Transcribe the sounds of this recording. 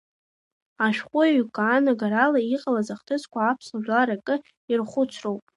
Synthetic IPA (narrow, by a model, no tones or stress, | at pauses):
aʃᶣχʷʼʊaɥkʷʼaːnaɡaɾalaiqʼalazaχtʰɨzkʷʰaːpʰslaʒᶣlaɾakʼɨ | irχʷʊt͡sʷʰrowpʼ